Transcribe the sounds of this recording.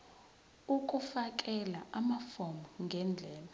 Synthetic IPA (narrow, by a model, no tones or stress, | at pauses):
uk̬ʼufak̬ʼɛlaamafɔmuŋɡʱɛnd͡ɮʱɛːla